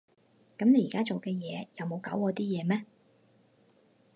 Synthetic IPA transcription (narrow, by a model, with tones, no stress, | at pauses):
kɐ˨˥mne˨˧jiː˨kaː˥t͡so˨wkɛː˧jɛ̰ː˨˧jɐ˨˧wmo˨˧wkaː˨˥wkɔː˨˧t̪iː˥jɛː˨˧mɛː˥